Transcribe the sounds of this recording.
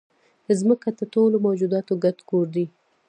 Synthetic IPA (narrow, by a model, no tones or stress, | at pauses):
d̪əzməkat̪əʈolomawd͡ʒud̪ɑt̪oɡat̪ɡoɾd̪i